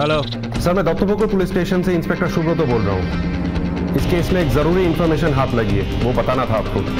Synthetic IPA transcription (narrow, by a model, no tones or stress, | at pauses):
ɦɛloː | sɐɾmɛ̃ːd̪ɔːt̪opokopʊlɪssʈeːʃənseɪ̃nspeːk̚ʈəɾʃʊbɾot̪oboːlɾɐ̰ɦṵ̃ | ɪskeːɪsmẽːkzɐɾuːɾiɪnfɔːɾmeːʃənɦaːt̪ʰlɐɡiḛːʋobɐt̪aːnat̪ʰaaːp̚ko̰ː